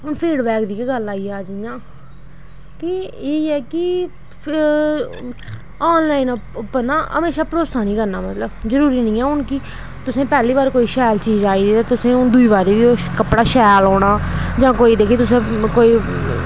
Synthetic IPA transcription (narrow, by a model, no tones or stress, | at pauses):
ʊnpʰiːɖbɛːkd̪iːkeɡəlaːiːaːd͡ʒjãː | kɪeːɛːkɪ | aːnlaːinpːənaːə̰meːʃaːpɾoːt̪saːnĩːkəɾnaːmət̪ləbzəɾuːɾiːnĩːɛːʊnkiː | t̪ʊsẽːpɛːliːβaːɾkoːiːʃɛːlt͡ʃiːd͡ʒaːiːd̪iːt̪ãːt̪ʊsẽːʊnd̪ʊiːβaːɾiːʋiːokəpɽaːʃɛːloːɽ̃aːd͡ʒãːkoːiːd̪eːkʰiːt̪ʊsẽːkoːiː